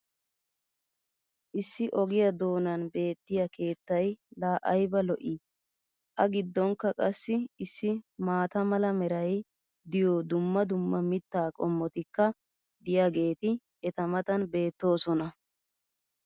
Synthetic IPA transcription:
ʔɪsːɪʔɔɡɪjɐd̪o̞ːnɐnbe̞ːt̪ːɪjɐke̞ːt̪ːɐjlaːʔɐjbɐlɔʔi | ʔɐɡɪd̪ːɔŋkːɐkʼɐsːɪɪsːɪmaːt̪ɐmɐlɐmɛɾɐj | d̪ɪjoːd̪ʊmːɐd̪ʊmːɐmɪt̪ːaːkʼɔmːɔt̪ɪkːɐ | d̪ɪjaːɡe̞ːt̪ɪ | ɛt̪ɐmɐt̪ɐnbe̞ːt̪ːo̞ːsɔnɐ

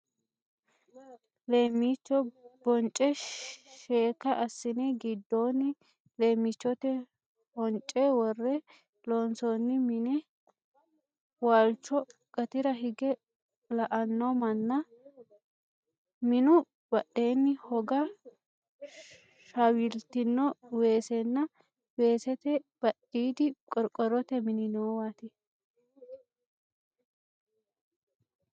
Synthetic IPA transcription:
le̞ːmːit͡ʃːɔbɔnt͡ʃʼːɛʃeːkːɐʔɐsːɪnɛɡɪd̪ːoːnːɪ | leːmːɪt͡ʃːɔt̪ɛ | hɔnt͡ʃʼːɛwɔrːɛ | loːnsoːnːɪmɪnɛ | waːlt͡ʃːɔkʼɐt̪ɪɾɐɦɪɡɛ | lɐʔɐnːɔmɐnːɐ | mɪnʊ | b̥ɐʔe̞ːnːɪhɔɡɐ | ʃawɪlt̪ɪnːɔwe̞ːsɛnːɐ | we̞ːsɛt̪ɛb̥ɐɗiːd̪ɪkʼɔɾkʼɔɾɔt̪ɛmɪnɪnoːwat̪ɪ

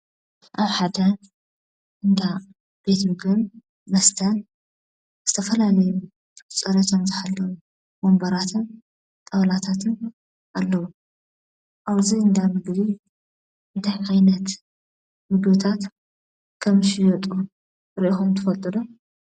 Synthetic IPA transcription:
ʔaβħad̪ɐ | ʔɨnd̪a | b̥e̞t̪mɨɡɨm | mɐst̪ʰɐn | z̥ɨt̪ʰɐfɐlalɐju | t͡sʼɐɾɐt͡ʃ̪ʰɐmzɨħalːɐwu | mombɐɾat̪ʰɨn | t̪ʼɐβɐlat̪ʰat̪ʰɨn | ʔalːɐwu | ʔaβziɨnd̪amɨɡli | ɨnt̪ʰajʔajnɐt̪ | mɨɡot̪ʰat̪ | kʰɐmʃijot̪ʼu | ɾiʔixomt̪ʰɨfɐlt̪ʼɨd̪o

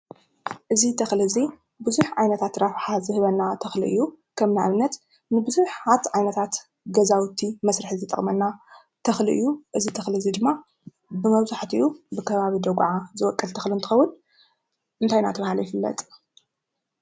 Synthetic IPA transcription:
ʔɨzit̪ʰɐxlɨzi | bɨzuħʕajnɐt̪ʰat̪ɾafħazɨhɨβɐnːat̪ʰɐxlḭʔɨjːu | kʰɐmnaʔaβnːɐt̪ | nɨbɨzuħat̪ʕajnɐt̪ʰat̪ | ɡɐzawt̪ʰimɐsɾɨħzɨt̪ʼɐ̰χʼmɐnːa | t̪ʰɐxliʔɨ̰jːuʔɨzit̪ʰɐxlɨzid̪ɨmːa | bɨmɐβzaħt̪ɨ̰jːubɨkʰɐβaβid̪ɐɡʕazɨwɔkʼːɐlt̪ʰɐxliɨnt̪ʰɨxɐwʊn | ʔɨnt̪ʰajna̰t̪ʰɐβahaljɪfɨlːɐ̰t̪ʼ

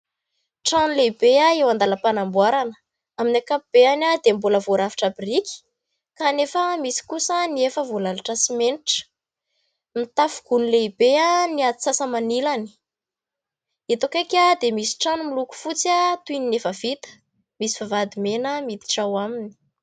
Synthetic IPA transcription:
ʈ͡ʂanuleibeaewand̪aləpanambwaɾanə̥ | aminakapub̥eanad̪emboləvoɾafi̥ʈ͡ʂabirikʲi̥ | kanefəmisi̥kusəniefəvolalaʈ͡ʂəsimeniʈ͡ʂə̥ | mit̪afuɡ̥unileibeaniat̪isasəmanilani̥ | et̪okakʲad̪emisi̥ʈ͡ʂanumiluku̥fut͡sat̪uininefəv̥it̪ə̥ | misiv̥avad̪imenəmit̪i̥ʈ͡ʂawamini̥

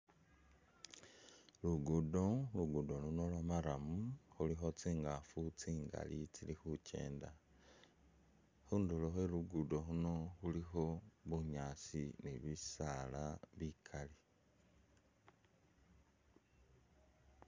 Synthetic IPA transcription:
luɡudoluɡudo̞luno̞lwamaɾamuxulixo̞t͡siːŋɡafut͡siːŋɡa̰lit͡silixuce̞̰ːnda | xuːnduloxeluɡudo̞ɦuno̞xulixo̞βuɲaːsineβisalaβikʰali

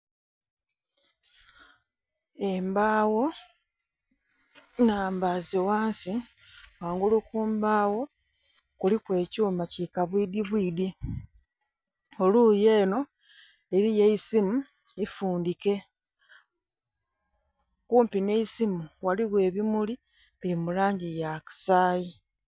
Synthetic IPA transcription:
embaːwo̞ | naːmbaziwaːnsi | waːŋɡulukuːmbaːwo̞ | kulikwe̞ːcuːmacikaβwiːdiβwiːdi | o̞luːje̞ːno̞ | eɾijeisimu | ifuːndike̞ | kuːmpine̞isimuwaliɣwe̞ːβimuli | βiɾimulaːɲɟijaki̥saːji

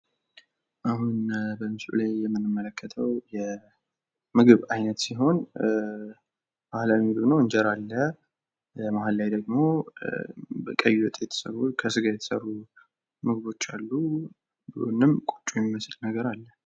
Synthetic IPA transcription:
ʔahunbəmɨsṵlajːɛmːɨnɨmːələkːət̪ʰəwjɛ | mɨɡɨβajnət̪siɦo̞n | bahlaimɨɡɨβnəwɨɲd͡ʒɛɾalːə | ləmaɦalːajd̪əɡmo̞ | bəkʼəjːuwɔt̪ʼejɛt̪ʰə̥sə̰βukʰəsɨɡajɛt̪ʰəsə̰rːu | mɨɡɨβo̞t͡ʃːalːu | bo̰nɨmkʼut͡ʃʼujɛmiməslnəɡəɾalːə

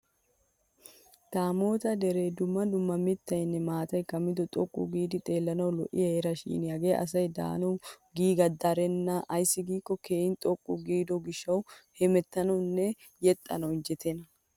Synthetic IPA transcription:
t̪aːmo̞ːt̪ɐd̪ɛɾe̞ːd̪ʊmːɐd̪ʊmːɐmɪt̪ːɐjnːɛmaːt̪ɐjkɐmːɪd̪ɔt̪ʼɔkʼːʊ̰ɡiːd̪ɪt̪ʼe̞ːlːɐnɐwlɔ̰ʔɪɐeːɾɐʃḭːnɪjɐɡeːʔɐ̰s̬ɐjd̪a̰ːnɐwɡiːɡɐd̪ːaɾɛnːɐʔɐjsːɪɡiːkːɔkeːɪnt̪ʼɔkʼːʊɡiːd̪ɔɡɪʃːɐwhɛmɛt̪ːɐnɐwnːɛ | jɛt̪ʼːɐ̰nɐwɪnd͡ʒɛt̪ʰenɐ

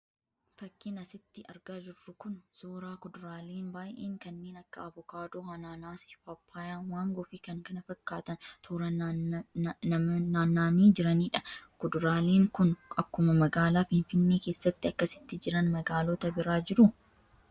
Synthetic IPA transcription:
fɐkːɪnɐsɪt̪ːɪɐɾɡaːd͡ʒɪrːʊkʊnsoːɾaːkʊd̪ʊɾaːleːnbaːjʔeːŋkɐnːeːnɐkːɐɐvʊkaːd̪oːhɐnaːnaːsɪ̥fɐpʰːaːjaːnwaːŋɡɔːfiːkɐŋkɐnɐfɐkːaːt̪ɐnt̪ʰoːɾɐ | ɐmɐnaːnaːniːd͡ʒɪɾɐniːᶑɐkʊd̪ʊɾaːleːŋkʊnʔɐkːʊmɐmɐɡaːlaːfɪnfɪnːe̞ːke̞ːsːɐt̪ːɪɐkːɐsɪ̥t̪ːɪd͡ʒɪɾɐnmɐɡaːlot̪ɐbɪɾaːd͡ʒɪɾʊ

